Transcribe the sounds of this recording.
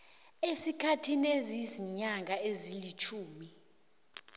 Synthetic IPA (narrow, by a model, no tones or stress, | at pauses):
esikʰatʰineziziɲaŋʱaezilit͡ʃʰuːmi